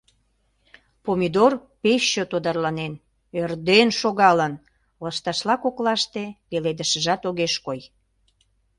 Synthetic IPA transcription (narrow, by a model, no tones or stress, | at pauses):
pomʲid̪orpeɕːøt̪od̪ɑrlɑnen | ørd̪enʃoɣɑlən | lɑʃt̪ɑʃlɑkoklɑʃt̪eβeled̪əʃəʒɑt̪oɣeʃkoj